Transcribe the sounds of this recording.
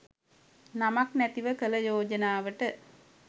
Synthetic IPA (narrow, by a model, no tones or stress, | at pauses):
namaknæt̪iʋəkəlɐjoːd͡ʒənaːʋəʈə